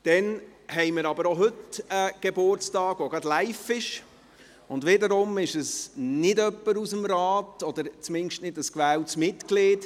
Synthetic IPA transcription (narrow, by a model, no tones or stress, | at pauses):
d̥ɛn | hɛɪməɾɑbəɾoɦɵtəɡ̥ebʊɾt͡stɑːɡ̥ʋoɡɑdlæɪfɪʃ | ʊndʋɪdəɾʊmɪʃəsnɪdœpːəɾusəmɾaːtɔd̥əɾt͡smɪnʃtnɪd̥əskʋæːltsmɪtkleːd